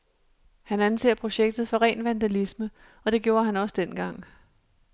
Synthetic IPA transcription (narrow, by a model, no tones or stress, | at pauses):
hænænse̝ɐ̰pʰʁo̝ɕeɡ̥̚d̥ð̩ˠfɒ̽ʁɛ̰ːnʋænd̥ælismə | ɒ̽d̥e̝ɡ̥jo̝ːɐɦænɒ̽sd̥enɡ̥ɑ̈ŋ̰